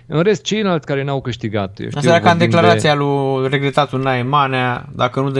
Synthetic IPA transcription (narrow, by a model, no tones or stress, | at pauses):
ɨnɾe̞st̪̚t͡ʃe̞jlalt̪sʲkaɾenawkɨʃt̪iɡat̪j̰ʃasaakamd̪e̞klaɾat̪sijalure̞ɡɾe̞t̪at̪unajmanead̪akənud̪